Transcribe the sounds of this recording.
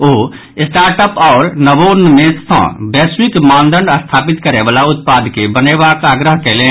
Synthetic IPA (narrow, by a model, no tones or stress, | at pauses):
oː | ɪsʈaːɾʈəpɔːɾnəbonmẽsə̰̃bɛːswikmãːnd̪əɳɖəst̪ʰaːpit̪kəɾebaːlaʊt̪̚paːd̪kebənebaːkaːɡɾəɦkelẽː